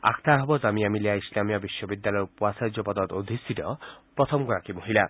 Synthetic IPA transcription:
a̰kʰt̪ʰaɦɔbɔzamijamilijaislamijɔbiʃːɔbid̪ːalɔjɔpuasad͡ʒɔpɔd̪ɔd̪od̪ʱisiɾɔpɾɔt̪ʰɔmɡɔɾakimoɦila

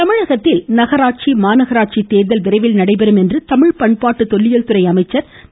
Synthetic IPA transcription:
t̪ɐmɪɻɐɣɐt̪ːɪlnɐɣɐɾaːʈ̚t͡ʃimaːnɐɣɐɾaːʈ̚t͡ʃit̪eːɾðɐlʋɪɾɐɪʋɪlnɐɽɐɪpɛɾɯmɛndrɯt̪ɐmɪɻpɐɳpaːʈːɯt̪ɔɭːɪjɐlt̪ɯɾɐɪɐmɐɪt͡ʃːɐɾ

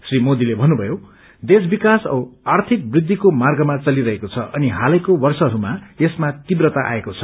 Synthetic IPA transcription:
srimod̪ilebʱʌnːubʱʌjo | d̪esbikasʌ̰art̪ʰik̚brid̪ʱːikomarɡʌmat͡sʌliɾʌɦekot͡sʰʌʔʌniɦalʌjkobʌrsʌɦːɾumaesmat̪ibrʌt̪aʔa̰ekot͡sʰʌ̥

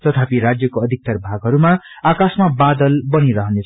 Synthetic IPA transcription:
t̪ʌt̪ʰapiɾad͡zjʌkoʌd̪ʱik̚t̪ʌrbʱaɡɦʌɾuma | akasmabad̪ʌlbʌniɾʌɦʌnet͡sʰ

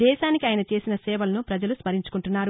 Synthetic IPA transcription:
ɛːʃaːnikiaːjɐnɐt͡ʃe̞ːsinɐsɛːʋɐlɐnupɾɐd͡ʒɐluspɐɾiɲt͡ʃu̥kuɳʈunːaːɾu

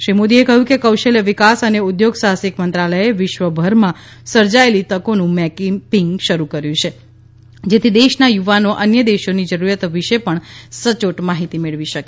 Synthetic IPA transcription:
ʃɾimod̪iekəɦjũkekəwʃəljəʋɪkasəneʊd̪joɡsasikmənt̪ɾaləjeʋɪʃʋəbʱəɾmã | səɾd͡ʒaelit̪əkonũmɛkipiŋɡʃəɾukəɾjũt͡ʃʰe | d͡ʒet̪ʰid̪eʃnajuʋanoʔənjəd̪eʃonid͡ʒəɾuɾjat̪ʋɪʃepəɳsət͡ʃoʈmaɦit̪imeɭʋiʃəke

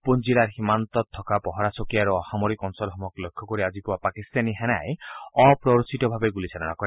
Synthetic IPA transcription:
pund͡ʒilaɾɦimant̪ɔt̪ʰːɔkapɔɦɔɾasɔkiaɾuɔhamɔɾikɔnsɔlɦɔmɔklekʰːɔkɔɾiad͡ʒipuwapakist̪aniɦɛna̰jɔpɾɔɾsitɔbʱabeɡulisaɾɔnakɔɾe

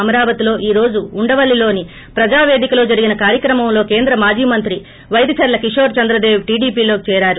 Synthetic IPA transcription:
ɐmɐɾaːʋɐt̪ilo̞ːʔiːɾo̞ːd͡ʒuuɳɖɐʋɐɭːilo̞ːni | pɾɐd͡ʒaːʋeːd̪ikɐlo̞ːd͡ʒɐɾiɡinɐkaːɾjɐkɾɐmɐmlo̞ːke̞ːnd̪ɾɐmaːd͡ʒiːmɐnt̪ɾi | ʋɐjd̪ɐt͡ʃɐɾlɐkiʂo̞ːɾt͡ʃɐnd̪ɾɐd̪eːʋʈiːɖiːpiːlo̞ːkit͡ʃɛːɾaːɾu

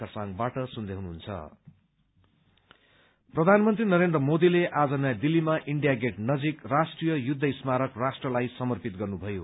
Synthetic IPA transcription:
ʌrsaŋbaʈʌsund̪ʱeɦunuɦunt͡sʰʌ̰ | prʌd̪ʱanmʌnt̪rinʌɾend̪rʌmod̪ileʔad͡zʌnajd̪ilːimaʔiɳɖijaɡeʈnʌd͡zikrasʈrijʌjud̪ʱːʌismaɾʌkrasʈrʌlajsʌmʌrpit̪̚ɡʌrnubʱʌjo̰

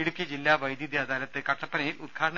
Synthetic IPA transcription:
iɽukjɐd͡ʑilːaːʋɐjd̪jid̪jaːd̪aːlɐt̪ːɨkɐʈːɐpːɐnɐjilud̪̚ɡʰʱaːɽɐɳɐ

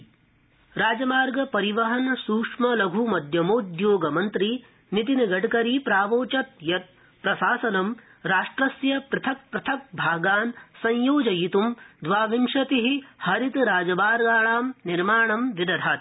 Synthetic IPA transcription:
ɾaːd͡ʒɐmaːɾɡɐpɐɾiʋɐɦɐnsuːkʂmɐlɐɡʱumɐd̪ʱjɐmoːd̪joːɡɐmɐnt̪ɾi | nit̪̬inɐɡɐʈkɐɾiːpɾaːʋoːt͡ʃɐt̪̚jɐt̪̚ | pɾɐʃaːsɐnɐm | ɾaːʂʈɾɐsjɐpɾɐt̪ʰɐk̚pɾɐt̪ʰɐk̚bʱaːɡaːnsɐ̃jjoːd͡ʒɐjit̪umd̪ʋaːʋiŋʂɐt̪iɦihɐɾit̪ɾaːd͡ʒɐbaːɾɡaːɭaːmniɾmaːɳɐmʋid̪ɐd̪ʱaːt̪

